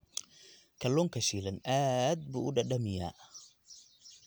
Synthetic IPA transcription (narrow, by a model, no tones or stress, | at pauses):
kʰɐlːɔŋkʰɐʃilɐnaːd̪̚buːʔʊɖɐɖɐmɪja̰ː